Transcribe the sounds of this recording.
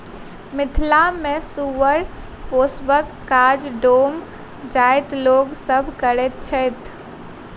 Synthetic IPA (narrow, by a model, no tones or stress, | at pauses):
mɪt̪ʰlamẽsuʋəɾ | poːsbəkːaːd͡ʒɖoːm | d͡ʒaːɪt̪loːɡsəbʱkəɾet̪̚t͡ʃʰɛt̪ʰ